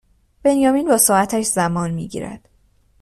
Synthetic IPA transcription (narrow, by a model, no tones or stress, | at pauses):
b̥e̞njɒːmiːnbɒːsɒːæt̪ʰæʃzæmɒːnmḭːɟḭːɾæ̰d̪̥